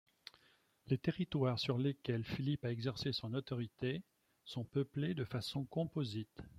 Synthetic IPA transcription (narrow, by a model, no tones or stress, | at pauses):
let̪eʁit̪waːʁsyʁlekʲɛlfilipaɛɡzɛʁsesɔ̃nɔt̪ɔʁit̪e | sɔ̃pəpled̪əfasɔ̃kɔ̃pozit̪